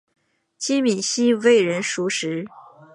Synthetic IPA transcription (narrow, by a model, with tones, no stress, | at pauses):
t͡ɕi˥mi˨˩ɕi˥we˥˩ɪɻə˧˥nʂu˧˥ʂɻ̩˧˥